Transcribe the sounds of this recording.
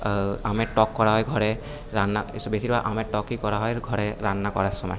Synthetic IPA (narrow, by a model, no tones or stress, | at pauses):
amɛtɔkːɔɹaɦɔjɡʱɔɹɛ | ɹanːaisbesibaʔamɛtɔkikɔɹaɦɔjɡʱɔɹɛɹanːakɔ̰ɹasɔma̰j